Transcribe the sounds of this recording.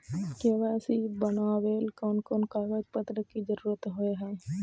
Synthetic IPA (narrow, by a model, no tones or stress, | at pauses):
keːʋaːsibənaːʋeːlkɔːnkoːnkaːɡəd͡ʒpət̪ɾəkid͡ʒəɾuːɾət̪ɦoeɦɛ̃ː